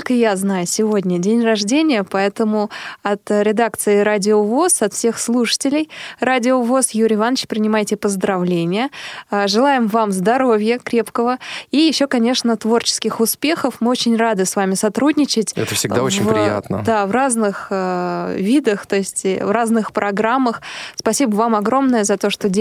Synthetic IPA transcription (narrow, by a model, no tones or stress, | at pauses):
tlʲkəjaznajʊsʲɪvo̞dʲnʲədʲenʲrɐʐdʲenʲɪjəpɐɛt̪əmʊɐt̪ɾʲɪd̪akt̪sɨɪɾadʲɪovo̞sɐt̪fsʲe̞xslˠuʂə̥tʲɪlʲɪjradʲɪovo̞sjuɾʲɪɪvanːət͡ɕpɾʲɪnʲɪmajtʲɪpəzd̪ɾɐvlʲenʲɪjəʐɨlˠajɪmvamzd̪ɐɾo̞vʲjəkɾʲe̞pkəvəijɪɕːo̞kɐnʲe̞ʂnət̪vo̞rt͡ɕɪ̥skʲɪxʊspʲe̞xəfmɨot͡ɕɪnʲrad̪ɨsvamʲɪsɐt̪ɾudʲnʲɪt͡ɕɪtʲɛ̰əfsʲɪɡ̪aonvpɾja̰t̪nə̰d̪avraznɨxəvʲid̪əxt̪o̞ɪsʲtʲvraznɨxpɾʔɐɡɾamːəxspɐsʲibəvamɐɡɾo̞mnəjəzɐt̪o̞ʂt̪odʲ